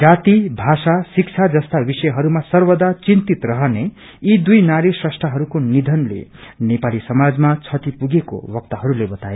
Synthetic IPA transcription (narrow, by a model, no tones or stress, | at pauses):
d͡zat̪ibʱasasik̚t͡sʰad͡zʌst̪abisʌjɦʌɾumasʌrbʌd̪at͡sint̪it̪rʌɦʌne | id̪ujnaɾisrʌsʈraɦʌɾukonid̪ʱʌnlḛnepalisʌmad͡zmat͡sʰʌt̪ipuɡeko̰bʌk̚t̪ʌɦʌɾulebʌt̪ae